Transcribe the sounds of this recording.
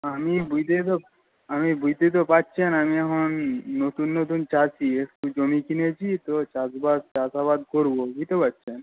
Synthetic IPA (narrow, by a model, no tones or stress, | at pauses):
amibujt̪et̪o | amibujt̪et̪̬opatːɕʰenamiɛkʰonːot̪unːot̪unt͡ɕat͡ɕʰieʈud͡ʑomikinet͡ɕʰit̪ot͡ɕasbad̪t͡ʃasaβad̪̚koɾbobujt̪epatːɕʰen